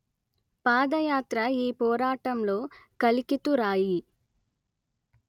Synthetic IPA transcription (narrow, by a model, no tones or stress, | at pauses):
paːd̪ɐjaːt̪ɾɐiːpɔːɾaːʈɐmlo̞ːkɐlikit̪uɾaːji